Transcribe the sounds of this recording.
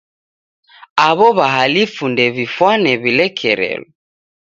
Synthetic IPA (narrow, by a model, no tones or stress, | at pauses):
aβɔβaɦalifundɛβifwanɛβilɛkʰɛɾɛ̰lɔ